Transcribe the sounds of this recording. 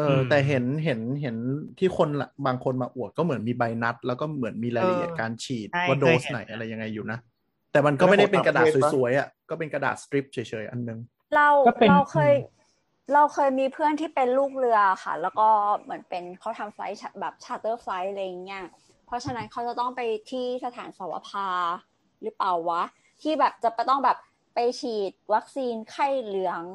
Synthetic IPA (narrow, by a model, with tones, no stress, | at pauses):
ʔɤː˧t̪ɛː˨˩ɦe˩˦nɦe˩˦nɦe˩˦nt̪ʰiː˥˩kʰo˧nla̰˨˩baː˧ŋkʰo˧nmaː˧ʔu˨˩ək̚ːɔː˥˩mɯ˩˦ənmiː˧ba˧jna˦˥t̪̚lɛː˦˥wkɔː˥˩mɯ˩˦ənmiː˧laː˧la˧˨i˨˩kaː˧nt͡ɕʰiː˨˩t̪̚waː˥˩doː˧˦sna˩˦jʔa˧ɾa˧jːa˧ŋːa˧jːuː˨˩na˦˥ | t̪ɛː˨˩ma˧nkɔ˥˩ma˥jda˥˩jpe˧ka˧daː˨˩˦ssu˨˩˦əjʔa˨˩kɔː˥˩pe˧nka˧da̰ː˨˩t̪̚sɾi˦˥p̚t͡ɕʰɤː˩˦jt͡ɕʰɤː˩˦jʔa˧nːɯ˨˩ŋ | ɾa˧wɾa˧wkʰɤː˧j | ɾa˧wkʰɤː˧jmiː˧pʰɯ˥˩ənt̪ʰiː˥˩pe˧nluː˥˩k̚lɯ˧ɐa˨˩xʰa̰˥˩lɛː˦˥wkɔː˥˩mɯ˩˦ənpe˧nkʰa˦˥wt̪ʰa˧mfa̰˦˥jt͡ɕʰa˧˥bɛː˨˩p̚t͡ɕʰaː˧˥t̪ɤː˥˩fa˦˥jla˧jːŋːi˦˥ɐ | pʰɾɔ˦˥t͡ɕʰa˧na˦˥nkʰa˦˥wt͡ɕa˨˩t̪ɔ˥˩ŋpa˧jt̪ʰiː˥˩sa˧t̪ʰaː˩˦nsa˨˩˦wa̰˧pʰaː˧ | ɾɯ˦˥paː˨˩wːa˦˥ | t̪ʰiː˥˩bɛː˨˩p̚t͡ɕa˨˩pa˧˩jt̪ɔ˥˩ŋbɛː˨˩p̚ | pa˧jt͡ɕʰiː˨˩t̪̚wa˦˥k̚siː˧nkʰa˥˩jlɯ˩˥ɐŋ